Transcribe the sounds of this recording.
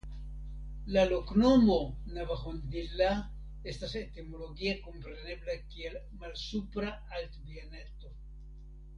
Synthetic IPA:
laloknomonavaxond̪ila | estaset̪imoloɡiakompɾe̞ne̞blakiel | malsupɾa | alt̪bianet̪o

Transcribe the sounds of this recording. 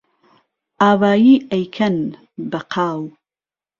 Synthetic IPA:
ʔaːwaːjiːʔɐjkʰɐn | bɐqʰaːw

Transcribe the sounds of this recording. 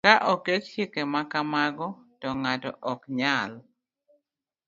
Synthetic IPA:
kaʔɔket͡ʃt͡ʃikemakamaɡɔtɔŋatɔ̰ʔɔkɲal

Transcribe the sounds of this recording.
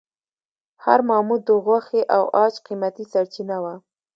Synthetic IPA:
ha̰ɾmɑmud̪əɣwaxeʔawɑt͡ʃqimat̪isaɽt͡ʃinawa

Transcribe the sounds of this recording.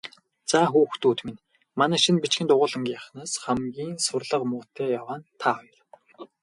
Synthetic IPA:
t͡saːxuːxt̪uːt̪men | manæːʃĭnpit͡ɕxɘ̆nt̪ʊʁʊːɮə̆ŋɡʲiaχnaːsχæmɡʲiːnsʊrɮə̆qmʊːt̪ʰeːjawaːnt̪ʰaɔjɞ̆r

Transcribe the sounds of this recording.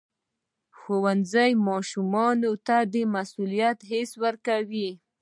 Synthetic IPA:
xowanzajmɑʃumɑnot̪ad̪əmasulijat̪ɦeswəɾkawi

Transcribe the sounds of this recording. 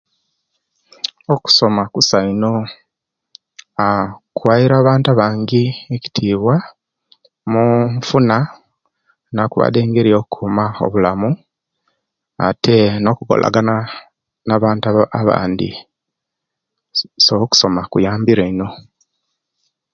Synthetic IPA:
oku̥so̞makusaino̞ | akwaiɾaːβaːntaβaːŋɡieci̥tʰiːβwa | muɱfuna | nakuβa̰de̞ːŋɡe̞ɾioːkukʰuːmao̰βulamu | a̰tʰe̞no̞kuko̰lʔa̰ɡana | naβaːntaaβa̰ːndḭ | soku̥so̞makujaːmbiɾaino̞

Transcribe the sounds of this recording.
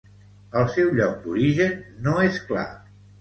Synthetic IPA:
əlˠsɛwʎɔk̚d̪uɾiʒənːoeskla̰

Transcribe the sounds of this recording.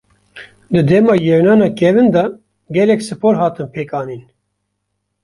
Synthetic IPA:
d̪ɨd̪ɛmɑːjɛɾnɑːnɑːkɛvɨnd̪ɑ | ɡɛlɛksɨpoːɾɦɑːt̪ɨnpʰeːkɑːniːn

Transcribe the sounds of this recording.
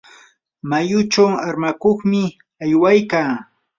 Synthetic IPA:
majʊt͡ʃawaɾmakoχmɪ | ajwajkaː

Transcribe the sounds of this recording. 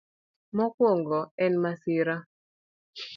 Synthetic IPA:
mɔkwoŋɡɔɛnmasɪɾa

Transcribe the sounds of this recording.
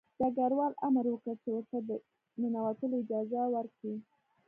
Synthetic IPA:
d̪̥aɡaɾwɑlamɾwəkəɾt͡ʃewəɾt̪ad̪ə | mɪnawat̪əloɪd͡ʒɑzawəɾki

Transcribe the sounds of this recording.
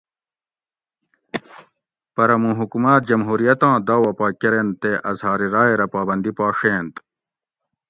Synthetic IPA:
pɐɾɐmũɦukumaːt̪̚d͡ʑɐmɦuːɾijɐt̪ãːd̪aːwɐpaːkeɾent̪eːʔɐzɦaːɾiɾaːeɾɐpaːbɐnd̪ipaːʂẽːnt̪

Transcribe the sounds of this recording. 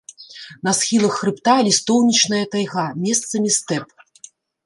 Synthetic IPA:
nɐsxʲilˠɐxːrɨpt̪alʲist̪ɔwnʲit͡ʂnɐjɐt̪ajɣamʲɛst̪sɐmʲist̪ɛp

